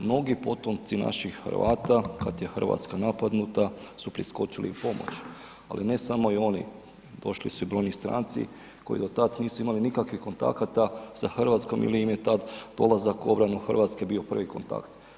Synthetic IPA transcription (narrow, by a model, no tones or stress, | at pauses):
mno̞ɡipo̞t̪o̞mt̪sina̰ʃixxə̰ɾʋa̰ːt̪akat̪je̞xərʋa̰t̪skanapad̪nut̪asupɾisko̞t͡ʃilḭupo̞mo̞̰t͡ɕ | a̰line̞samo̞io̞nḭ | d̪o̞ʃlḭsuibɾo̞jnist̪ɾa̰ːnt̪sḭ | ko̞̰jḭd̪o̞t̪ad̪niːsuimalinikakʋihko̞nt̪a̰kat̪asaxrʋat̪sko̞mḭliimje̞t̪ad̪d̪o̞lˠazakuo̞bɾanuxrʋat̪ske̞bio̞pr̩ʋiko̞̰nt̪a̰kt̪